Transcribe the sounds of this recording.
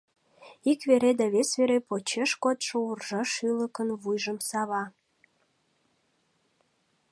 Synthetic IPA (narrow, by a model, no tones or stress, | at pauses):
ikβeɾed̪ɑβesβeɾepot͡ɕeʃkot̪ʃourʒɑʃyləkənβujʒəmsɑβɑ